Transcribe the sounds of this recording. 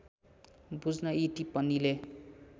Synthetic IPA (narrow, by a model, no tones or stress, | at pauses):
bud͡znʌiʈipʌnile